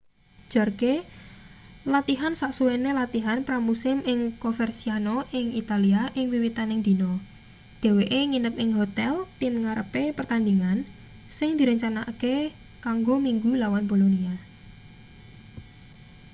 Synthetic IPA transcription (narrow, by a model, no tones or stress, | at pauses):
d͡ʒ̥ɔ̤rke | lat̪iɦansaʔsuwenelat̪iɦanpɾamusɪmɪŋkofɛrsianɔʔɪŋit̪aliaʔɪŋwiwit̪anɪŋd̪̥i̤nɔ | d̪̥ɛ̤weʔeŋinəp̚ɪŋɦot̪ɛlt̪ɪmŋaɾəpepərt̪and̪iŋan | sɪŋd̪̥i̤ɾəɲt͡ʃanake | kaŋɡomiŋɡulawanbolonia